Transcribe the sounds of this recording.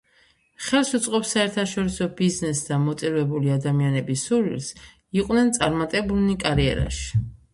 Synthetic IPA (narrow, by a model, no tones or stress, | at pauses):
χɛlˠsut̪sʼqʼɔpsaɛɾt̪ʰaʃɔɾisɔbiznɛsd̪amɔt̪sʼiɾvɛbuliad̪amianɛbisuɾḭls | iqʼwnɛnt̪sʼaɾmat̪ʼɛbulnikʼaɾiɛ̰ɾa̰ʃi̥